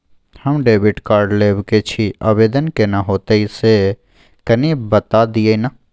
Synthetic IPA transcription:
həmɖeːʋɪʈkaːɾɖleːbket͡ʃʰia̰ːʋeːd̪ənkenaɦoːt̪eise | kɐnibət̪ad̪iena

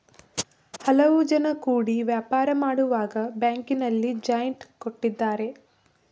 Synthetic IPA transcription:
hɐlɐʋud͡ʒɐnɐkuːɽiʋjaːpaːɾɐmaːɽuʋaːɡɐbjaːŋkinɐlːid͡ʒaːjɐɳʈkoʈːid̪ːaːɾe̞

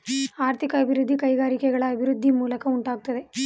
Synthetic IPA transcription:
aːɾt̪ʰikɐːbʱɪɾud̪ʱːikɐjɣaːɾikɛɣɐɭɐːbʱɪɾud̪ʱːimuːlɐkɐuɳʈaːɡut̪ːɐðe

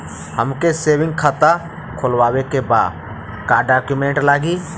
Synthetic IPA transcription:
həmkeseːwɪ̃ŋɡkʰat̪a | kʰʊlwaːwekeba̰ːd | kaːɖaːkjumẽːɳʈlaːɡiː

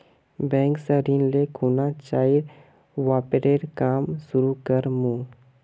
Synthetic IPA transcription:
bɛ̃ːŋksəɾĩnlekʰuːnat͡ʃaːiɾ | ʋaːpeɾeːɾkaːmsʊɾukəɾmũː

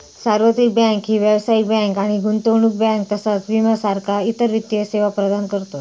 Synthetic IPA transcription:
saɾʋət̪ɾik̚bɛ̃ŋkɦiːʋjəwsaik̚bɛ̃ŋkaɽ̃iɡunt̪owɳuk̚bɛ̃ŋk̚t̪əsat͡sʋiməsaɾkʰait̪əɾʋit̪ːijəseʋapɾəd̪ankəɾt̪o

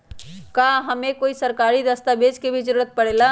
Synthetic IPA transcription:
kaɦəmekoːisəɾkaːɾid̪əst̪abed͡ʒkebʱid͡ʒəɾuɾət̪̚pəɽeːla

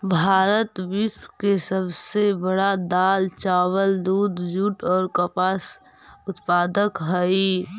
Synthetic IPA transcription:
bʱaːɾət̪wɪʃwkesəbsebəɽad̪aːlt͡ʃaːwəld̪uːd̪d͡ʒuːʈɔːɾkəpaːs | ʊt̪paːd̪əkɦəi

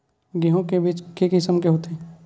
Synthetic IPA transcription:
ɡiɦõkebiːt͡ʃkekɪsəmkeɦoːt̪e

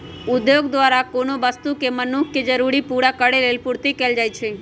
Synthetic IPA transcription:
ʊd̪joɡd̪ʋaɾakonoʋəst̪ukemənukʰked͡ʒəɾuɾipuɽakəɽelelpuɾt̪ikɛld͡ʒajt͡ʃʰe

